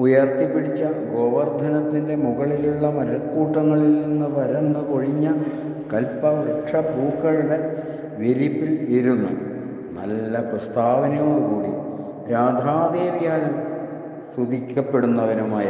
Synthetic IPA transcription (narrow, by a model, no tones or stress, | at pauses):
ujɐrt̪ipːiɽit͡ɕːɐɡo̞ːʋɐrd̪ʱɐnɐt̪ːinde̞muɣɐɭiluɭːɐmɐɾɐkːuːʈːɐŋːɐɭilninːɨʋɐɾenːɐko̞ɻiɲːɐ | kɐlpːɐʋɐʈʂɐbuːkːɐɭuɽe̞ | ʋiɾipːiliɾunːṵ | nɐ̰lːɐprɐst̪ʰaːʋɐnɐjo̞ːɽukuːɽi | ɾaːd̪ʱaːd̪eːlijaːlum | st̪ud̪ʱikʲːɐpːe̞ɽunːɐʋɐnumaːjɐ